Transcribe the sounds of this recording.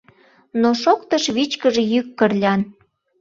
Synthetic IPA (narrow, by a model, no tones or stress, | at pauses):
noʃokt̪əʃβit͡ɕkəʒejykːərlʲɑn